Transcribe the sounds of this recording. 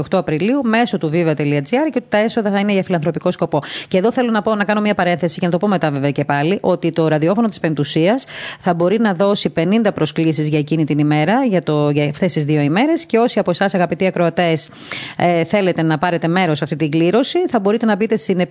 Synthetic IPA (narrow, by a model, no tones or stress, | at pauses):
xt̪oɐpɾiliume̞so̞t̪uvivɐt̪eliɐd͡ziɐɾceot̪i̥t̪ɐe̞so̞ðɐθɐineʝɐfilɐnθɾo̞piko̞sko̞po̞ceðo̞θe̞lo̞nɐpo̞nɐkɐno̞miɲɐpɐɾe̞nθe̞sicenɐt̪o̞po̞met̪ɐveveoce̞pɐliʔo̞t̪it̪o̞ɾɐðio̞fono̞t̪ispe̞nt̪usiɐsθɐbo̞ɾinɐðo̞sipe̞nind̪ɐpɾo̞sklisizʝɐecinit̪inime̞ɾɐʝɐt̪oʝɐft̪e̞st̪izðio̞ime̞ɾe̞sce̞o̞siɐposɐsɐɣɐpit̪iɐkɾoɐt̪e̞s | θe̞le̞t̪e̞nɐpɐɾe̞t̪e̞me̞ɾo̞sɐft̪it̪iɡliɾo̞siθɐbo̞ɾit̪e̞nɐbit̪e̞st̪ine